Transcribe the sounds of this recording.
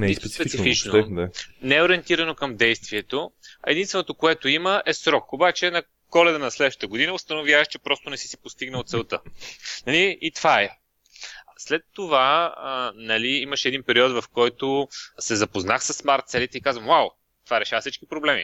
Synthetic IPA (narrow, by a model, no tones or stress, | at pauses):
spspɛsifit͡ʃnod̪anɛɛoɾiɛnt̪iɾɐnokɐmd̪ɛjst̪viɛt̪oɛ̰d̪inst̪vɛnot̪okoɛt̪oiməʔɛsɾɔkobat͡ʃɛnɐ | kɔlɛd̪ənɐslɛd̪ʃt̪ət̪əɡod̪inəost̪ɐnovjavəʃt͡ʃɛpɾɔst̪onɛsi̥si̥post̪iɡnəot̪sɛlˠt̪ɤnɐliit̪v̥aɛ | slɛt̪ːova | nɐliiməʃɛɛd̪inpɛɾiɔd̪vɐfkɔjt̪osɛzɐpoznaxsəsːmaɾt̪̚sɛlit̪ɛikazvəmwaw | t̪ovaɾɛʃavəsit͡ʃkipɾoblɛmḭ